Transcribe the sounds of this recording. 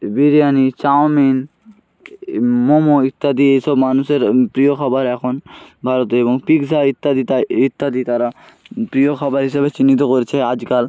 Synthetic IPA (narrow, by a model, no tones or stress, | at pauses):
biɾijanit͡ɕawmin | momoit̪ːad̪iejsɔbmanuseɾpɾijokʰɔbaɾɛkʰonbʱaɾot̪eeboŋpiɡsait̪ːad̪iit̪ːad̪it̪aɾa | pɾiokʰɔbaɾɦiʃabet͡ɕinːit̪̬okoɾet͡ɕʰead͡ʑkal